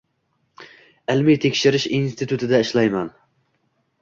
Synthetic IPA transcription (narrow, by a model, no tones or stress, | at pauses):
ɪlmit̪ʰekʲʃɪɾɪʃinst̪ʰɪt̪ʰut̪ʰɪd̪ɛɪʃlˠɑjmɛn